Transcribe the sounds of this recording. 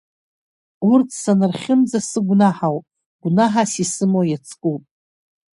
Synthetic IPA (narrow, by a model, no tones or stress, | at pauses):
urtʰsanɨrχʲɪmd͡zasɨɡʷnaħawpʼ | ɡ̥ʷnaħasisɨmojat͡sʰkʼupʼ